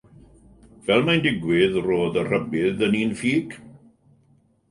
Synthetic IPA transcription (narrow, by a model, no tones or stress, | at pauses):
v̥ɛlˠmandɪɡwɪðroːðər̥əbɪðəniːnfiːɡ̥